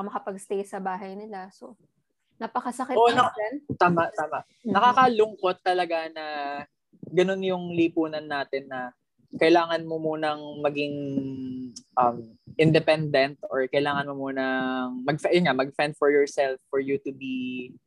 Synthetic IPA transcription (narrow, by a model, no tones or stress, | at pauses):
mɐkɐpɐɡst̪ejsɐbaːɦɐjnɪlaso̰ | nɐpɐkɐsɐkɪoʔonɐant̪aːmat̪aːmɐʔ | nɐkakɐlʊŋkot̪ːɐlɐɡanɐ | ɡɐno̞njʊŋlipuːnɐnːaːt̪ɪnːɐ | kɐjlaːŋɐnmomuːnɐŋmɐɡiŋ | ʔɐm | ʔɪnd̪ɛpɛnd̪ɛnt̪ɔɹkɐjlaːŋɐnmomuːnɐŋmɐɡ̚fʔɐjʊnɡamɐɡ̚fɛnd̪̚fɔɹjɔɹsɛlfːɔɹjut̪ʊbi